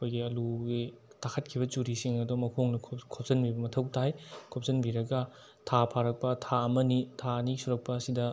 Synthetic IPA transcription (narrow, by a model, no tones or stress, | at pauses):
ɐkʰojɡiɐluɡitʰakʰɐt̚kʰibɐt͡ʃuɾisiŋɐdomɐkʰoŋnɐkʰkʰop̚sɐnbibɐmɐtʰɐwtajkʰop̚szɐnbiɾɐɡɐ | tʰapʰaɾɐk̚pɐtʰaɐmɐnitʰaɐnisuɾɐk̚pɐːsidɐ